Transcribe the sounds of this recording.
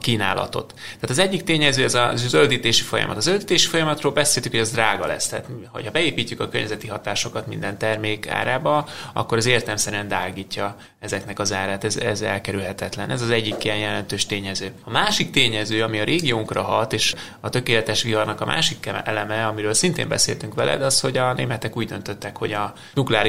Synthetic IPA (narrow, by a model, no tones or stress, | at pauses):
kiːna̰ːlʔɒ̰t̪o̞̰t̪ːɛaːt̪ɒzɛɟːikt̪eːɲɛzøːɛzɒzzøld̪iːt̪eːʃifojɒ̰mɒ̰t̪ɒzøld̪iːt̪eːʃifo̞jɒmɒt̪roːlbɛseːlt̪ykho̞ɛzd̪raːɡɒlɛ̰st̪a̰ːt̪ho̞̰chɒbɛeːpiːcːykɒkørɲːʔɛzɛt̪iɦɒt̪aːʃo̞kɒt̪mind̪ɛnt̪ɛrmeːka̰ːɾaːbɒɒ̰kːo̞ɾɛzeːrt̪ɛlmsɛɾyɛnd̪aːɡiːcːɒ | ɛzɛknɛkɒzaːɾaːt̪ɛzɛ̰zɛ̰lkɛɾylɦɛt̪ɛt̪lɛnʔɛzɒzɛɟːikːijɛnjɛlɛnt̪øːʃt̪eːɲɛzøːɒmaːʃik̚t̪eːɲɛzøːɒmiɒɾʔeːɡijoːŋkrɒɦɒt̪eːʃ | ɒt̪økeːlɛt̪ɛʃʋilɒrnɒkɒmʔa̰ːʃikːɛɛlɛmɛɒmiɾøːlsint̪ḛːmbɛ̰sḛlt̪yŋkʋɛ̰lʔɛ̰d̪ɒsho̞ɟɒnḛːmɛt̪ɛkuːɟd̪ønt̪øt̪ːɛkho̞̰ɟɒ | nuklɛaːɾi